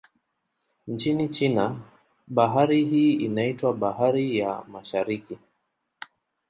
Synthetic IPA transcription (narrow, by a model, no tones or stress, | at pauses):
n̩t͡ʃinit͡ʃina | ɓaɦaɾiɦiːinaitwaɓaɦaɾijamaʃaɾiki